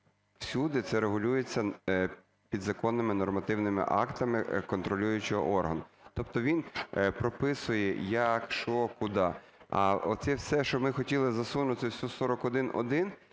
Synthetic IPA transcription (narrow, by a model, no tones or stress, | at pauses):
w̥sʲud̪ɪt̪sɛɾeɦʊlʲujet͡sʲːɐ | pʲid̪zɐkɔnːɪmɪnɔrmɐt̪ɪwnɪmɪ̰ʔɑ̰kt̪ɐmɪkɔnt̪ɾɔlʲujʊt͡ʃɪɔ̰ʔɔrɦɐnt̪ɔpt̪ɔʋʲinpɾɔpɪsʊjɛjɐkʃɔkʊd̪ɑ | ɐ̰ɔt̪sɛwsɛʃt͡ʃɔmɪxɔtʲilˠɪzɐsunʊt̪ɪwsʲusɔɾɔkɔd̪ɪnɔ̰d̪ɪn